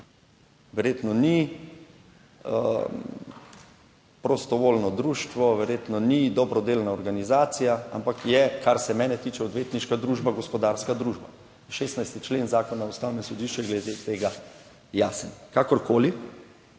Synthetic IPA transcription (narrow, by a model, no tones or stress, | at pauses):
ʋɛɾjet̪nɔni | pɾɔst̪ɔʋoːlnɔd̪ɾuːʃt̪ʋɔʋɛɾjeːt̪nɔnid̪ɔbɾɔd̪eːlnaɔɾɡanizaːt̪sijaa̰mpakjɛkʰaɾsɛmɛːnɛt̪iːt͡ʃɛɔd̪ʋeːt̪niʃkad̪ɾuʒbaɡɔspɔd̪aːɾskad̪ɾuːʒba | ʃeːsnajst̪it͡ʃlenzaːkɔnaust̪awnɛmsɔd̪iːʃt͡ʃujɛɡlɛd̪et̪eːɡa | jaːsənkakɔɾkoːli